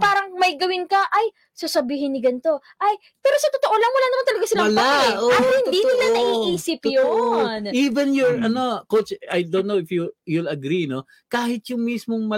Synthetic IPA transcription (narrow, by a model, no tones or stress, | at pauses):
paːɾɐŋmɐjɡɐwɪnkɐʔɐj | sasɐbiːhɪnːɪɡɐnt̪o̞ | ʔɐj | pɛːɾosɐt̪ot̪o̞ʔolɐŋwɐlaːnɐmant̪ɐlɐɡasɪlapɐaɐhɪninɪlanɐʔiːʔiːsɪpjoʔiːvɛnjoɹɐno̞kot͡ʃajd̪onnːoɪfjujulɐɡɾino | kaːhɪt̪̚jʊŋmismoŋmɐ